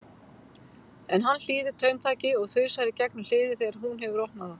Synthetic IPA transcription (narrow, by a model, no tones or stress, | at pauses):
ɛnɦanːl̥iːðɪt̪ʰœːɥmt̪ʰaːcɪɔɣθʏɥsaɾɪcɛknʏml̥ɪːðɪθeɾaɦunɦɛvʏɾɔwhnaða